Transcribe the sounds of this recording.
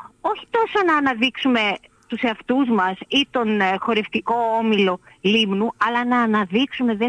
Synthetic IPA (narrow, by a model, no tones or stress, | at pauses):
o̞çi̥t̪o̞so̞nɐːnɐðiksume̞ | t̪use̞ɐft̪uzmɐsit̪o̞nxo̞ɾe̞ft̪iko̞omilo̞limnuɐlɐnɐːnɐðiksume̞ðe